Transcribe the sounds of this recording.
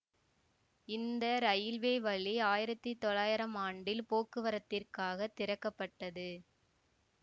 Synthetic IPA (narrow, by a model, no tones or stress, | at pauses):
ɪnd̪ɐɾɐjɪlʋeːʋɐɭiaːjɪɾɐt̪ːit̪ɔɭaːjɪɾɐmaːɳɖɪlpoːkɯʋɐɾɐt̪ːɪrkaːɣɐt̪ːɪɾɐkːɐpːɐʈːɐðɯ